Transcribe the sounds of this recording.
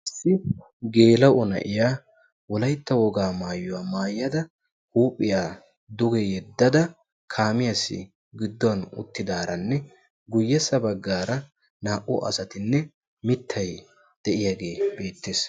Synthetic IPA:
ʔɪsːɪ | ɡe̞ːlɐʔɔnɐ̰ʔɪjaː | wɔlɐjt̪ːɐwɔɡaːmaːjʊwaːmaːjːɐd̪ɐ | huːpʼːɪjaː | d̪ʊɡɛjɛd̪ːɐd̪ɐ | kʰaːmɪjɐsːɪ̰ | ɡɪd̪ːɔwɐnʊ̰t̪ːɪd̪aːɾɐnːɛ | ɡʊjːɛsɐbɐɡːaːɾɐ | naːʔʊʔɐ̰sɐt̪ɪnːɛ | mɪt̪ʰːɐj | d̪̥ɛʔɪjaɡe̞ːbe̞ːt̪ːe̞ːs

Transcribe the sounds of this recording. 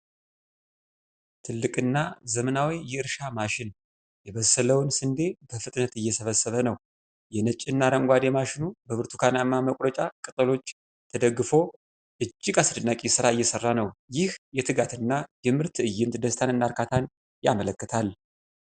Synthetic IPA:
t̪ʰɨlːɨkʼɨnːazəmənawijɛɨɾʃamaʃɪn | jɛβəsːələwnsɨnd̪e̞bəfɨt̪ʼnət̪ɨjːɛsəβəsːəβənəw | jɛnət͡ʃʼɨnːaɾəŋɡʷad̪emaʃɪnubəβɨɾt̪ʰukʰanamːaməkʼɾət͡ʃʼakʼɨt̪ʼəlo̞t͡ʃː | t̪ʰəd̪əɡːɨfo̞ | ʔɨd͡ʒːɪɡʼasɨd̪ɨnːakʼisɨɾaɨjːɛsərːanəwjɪhjɛt̪ʰɨɡat̪ɨnːajɛmɨɾt̪ɨjːɨnt̪d̪əst̪ʰanɨnːaɾkʰat̪ʰan | jamələkːət̪ʰal

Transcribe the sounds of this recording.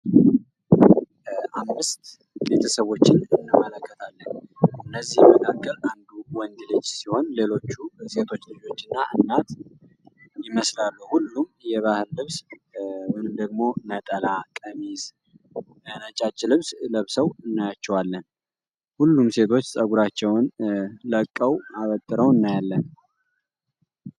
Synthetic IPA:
ʔamːɨst̪ | be̞̰t̪ʰəsəβo̞t͡ʃːɪnɨnːɨmːələkːət̪ʰalːənɨnːəzːihjɛməkʰakʼːəɾand̪uwɔnd̪ilɨd͡ʒsiho̞nle̞lo̞t͡ʃːuse̞t̪ʰo̞t͡ʃːlɨd͡ʒo̞t͡ʃːɨnːaʔɨnːat̪ | jɪməslalːuhulːumjɛβahɨllɨβs | mɨnɨmd̪əɡmo̞nət̪ʼəlakʼəmiz | nət͡ʃʼat͡ʃʼːlɨβsləβsəwɨnːajat͡ʃːɛwalːən | hulːumse̞t̪ʰo̞t͡ʃːsʼəɡuɾat͡ʃːɛwnləkʼːəwaβət̪ʼːɨɾəwɨnːajalːən

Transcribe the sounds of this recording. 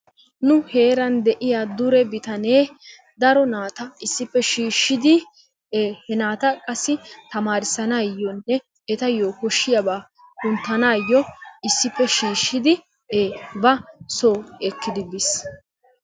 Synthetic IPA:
nʊhe̞ːɾɐnd̪ɛʔɪjaːd̪ʊɾɛbɪt̪ɐneː | d̪ɐɾɔnaːt̪ɐɪsːɪpːɛʃiːʃːɪd̪ɪ | eːhɛnaːt̪ɐkʼɐsːɪt̪ɐmaːɾɪsɐnaːjːɔnːɛ | ɛt̪ɐjoːkɔʃːɪjɐbaː | kʊnt̪ːɐnaːjːɔɪsːɪpːɛʃiːʃːɪd̪ɪ | eːbɐsoːɛkːɪd̪ɪbɪs

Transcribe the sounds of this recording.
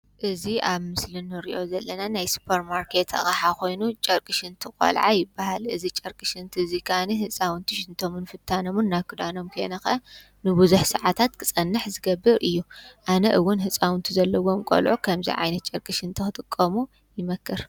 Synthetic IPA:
ʔɨziʔaβmɨslɨnɨɾḭʔo̞zɐlːɐnanajsu̥pʰɐɾmaɾkʰe̞t̪ʰɐ̰χʼɐħako̞jnut͡ʃʼɐɾkʼɨʃɨnt̪ʰɨkʼɐ̰lʕa̰jɪbahalɨzit͡ʃʼɐɾkʼɨʃɨnt̪ʰɨzikʰaniɦɨsʼawʊnt̪ʰiʃɪnt̪ʰo̞mɨnfɨt̪ʰːanomɨnːaβkʰɨd̪ano̞mkʰɐ̰nɐxʔɐ | nɨbɨzuħsɨʕat̪ʰat̪kʰɨsʼɐnːɨħzɨɡɐbːɨɾʔɨjːuʔanɐʔɨwːʊnɦɨsʼawʊnt̪ʰizɐlːɐwo̞mkʼo̰lʕukʰɐmzḭʕa̰jnɐt̪̚t͡ʃʼɐɾkʼɨʃɨnt̪ʰɨxɨt̪ʼɨkʼːɐmu | jɪmɐkʰːɨɾ

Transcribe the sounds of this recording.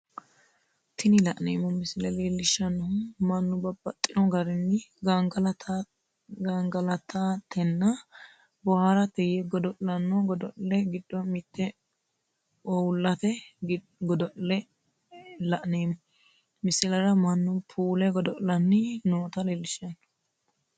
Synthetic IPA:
t̪ʰɪnɪlɐʔnḛːmːɔmɪsɪlɛleːlːɪʃːɐnːɔhʊmɐnːʊbɐbɐt̪ʼːɪnɔɡɐɾɪnːɪɡɐŋɡɐlt | ɡaŋɡɐlɐt̪at̪ʰɛnːɐ | bɔhaɾɐt̪ɛjɛɡɔd̪ɔʔlɐnːɔɡɔd̪ɔʔlɛɡɪd̪ːɔmɪt̪ːɛ | ɔwʊlːɐt̪ɛ | ɡɔd̪ɔʔlɛ | lɐʔneːmːɔ | mɪsɪlɐɾɐmɐnːʊpʰuːlɛɡɔd̪ɔʔlɐnːɪnoːt̪ɐleːlːɪʃɐnːɔ̥

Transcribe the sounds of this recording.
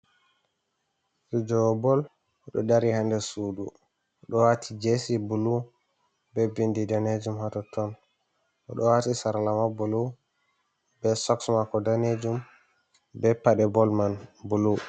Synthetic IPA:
sud͡ʒɔbɔl | ɗɔdaɾihandɛsudu | ɔɗɔwatʰid͡ʒesibulu | bɛbindidaned͡ʒumhatɔtʰɔn | ʔɔɗɔwatisaɾalamabulu | bɛsɔksmakɔdaned͡ʒum | bɛpaɗɛbɔlmanbulu

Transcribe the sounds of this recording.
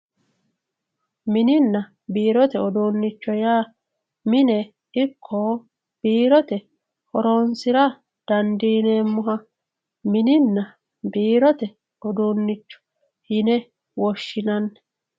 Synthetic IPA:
mɪnɪnːɐ | biːɾɔt̪ɛɔd̪oːnːɪt͡ʃːɔjaː | mɪnɛ | ɪkʰːɔ | b̥iːɾɔt̪ɛ | hɔɾoːnsɪɾɐ | d̪̥ɐnd̪iːneːmːʊɦɐ | mɪnɪnːɐ | biːɾɔt̪ɛ | ɔd̪oːnːɪt͡ʃːɔ̥ | hɪnɛ | wɔʃːɪnɐnːɛ̥

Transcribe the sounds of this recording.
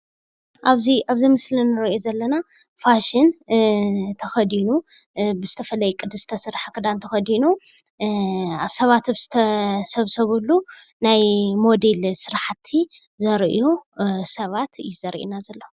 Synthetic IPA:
ʔaβziaβzimɨslɨnɨɾozɐlːɐna | faʃɪn | t̪ʰɐxɐd̪inu | bɨzɨt̪ʰɐfɐlɐjkʼɨd̪ɨst̪ʰɐsɨɾħakʰɨd̪ant̪ʰɐxɐd̪inu | aβsɐβat̪βz̥ɨt̪ʰɐsɐβsɐβulːu | najmo̞d̪elsɨɾaħt̪ʰːi | zɐɾʔijusɐβat̪ɨjuzɐɾʔḭnazɐlːɐ

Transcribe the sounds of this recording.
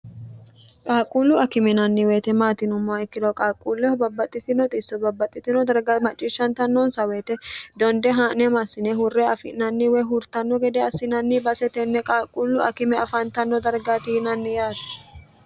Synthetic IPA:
kʼaːkʼulːʊɐkɪmɪnɐnːɪweːt̪ɛmaːt̪ɪnʊmːɐɪkːɪd̪ɔkʼaːkʼːuːlːɛhɔbɐbːɐt̪ʼːɪt̪ɪnɔt̪ʼɪsːɔbɐbːɐt̪ʼːɪt̪ɪnɔd̪ɐɾɡamɐt͡ʃʼːɪʃːɐnt̪ɐnːɔnsɐweːt̪ɛd̪ɔnd̪ɛɦaːnɛmasːɪnɛɦʊrːɛɐfɪ̰nɐnːɪwɛɦʊɾt̪ɐnːɔɡɛd̪ɛɐsːɪnɐnːɪbɐsɛt̪ɛnːɛkʼaːkʼːulːʊɐkɪmɛɐfɐnt̪ɐnːɔd̪ɐɾɡat̪iːnɐnːɪjaːt̪ɛ̥

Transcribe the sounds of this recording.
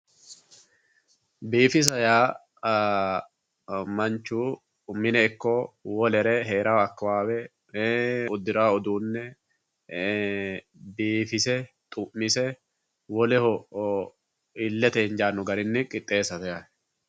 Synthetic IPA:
biːfɪs̬ɐjaː | mɐnt͡ʃːuː | mɪnɛɪkːoːwɔlɛɾɛɦe̞ːɾaːɐkːɐwaːwɛ | ʊd̪ɪɾaːɔd̪uːnːɛ | biːfɪsɛ | t̪ʼʊmːɪsɛ | wɔlɛhɔ | ɪlːɛt̪ɛhɪnd͡ʒaːnːʊɡɐɾɪnːɪkʼɪt̪ʼːe̞ːsɐt̪ɛja

